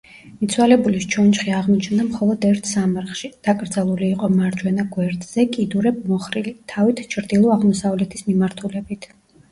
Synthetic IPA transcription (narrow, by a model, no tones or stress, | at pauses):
mit̪sʰwalɛbulist͡ʃʰɔnt͡ʃχiaʁmɔt͡ʃʰnd̪amχɔlˠɔd̪ɛɾt̪ʰsamaɾχʃid̪̥akʼɾd̪zalˠuliːqʼɔmaɾd͡ʒwɛnaɡwɛɾd̪z̥ɛkʼid̪uɾɛb̚mɔχɾilit̪ʰavit̪ʰt͡ʃʰɾd̪ilˠɔaʁmɔsavlɛt̪ʰismimaɾt̪ʰulɛbit̪ʰ